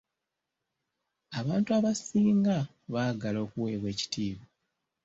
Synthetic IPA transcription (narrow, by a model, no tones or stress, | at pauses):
aβaːntuaβasiːŋɡa | βaːɡalo̞ːkuwe̞ːβwe̞ːci̥tiːβo